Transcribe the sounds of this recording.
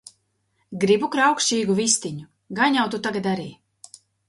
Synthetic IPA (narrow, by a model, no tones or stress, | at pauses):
ɡɾibukɾawkʃt͡ʃiːɡuvist̪iɲu | ɡaɲawt̪ut̪aɡad̪aɾiː